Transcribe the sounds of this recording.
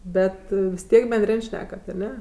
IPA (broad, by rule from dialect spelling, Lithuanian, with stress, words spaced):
ˈbʲɛt ʋʲɪs ˈtʲiɛk bʲɛnʲˈdʲrʲɪnʲ ˈʃʲnʲæːkɐt ɐˈnʲɛ